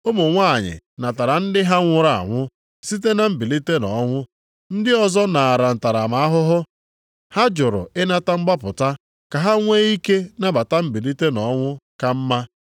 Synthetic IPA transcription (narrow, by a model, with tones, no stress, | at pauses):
ʊ˦mʊ˨ŋʷa˦˨ɲɪ̰˨na˨ta˨ɾa˨n̩˦dɪ˦ɦa˦ŋʷʊ˦ɾa˨a̰˨ŋʷʊ˦ | si˦t̬e˦na˨m̩˨bi˨li˦te˦nɔ˨˦ŋʷʊ˦ | n̩˦dɪ˦ɔ˨zɔ˦na˨ɾa˨n̩˨ta˨ɾa˨ma˨a˦ɦʊ˦ɦʊ˦ | ha˦d͡ʒʊ˨ɾʊ̰˨ɪ˦na˦ta˦ŋ͡m̩˦ɡ͡ba˦pʊ˨ta˦ | ka˨ɦa˦ŋʷe˦i˦ke˦na˦ba˨ta˦m̩˦bi˨li˦te˦nɔ˨˦ŋʷʊ˦ka˨m̩˦ma˦